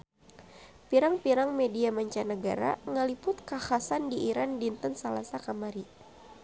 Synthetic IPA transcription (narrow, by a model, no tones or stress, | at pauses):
piɾaŋpiɾaŋmediamaɲt͡ʃanəɡa̰ɾa̰ŋəlipʊt̪̚kahasandiʔiɾandint̪ənsalasakamaɾi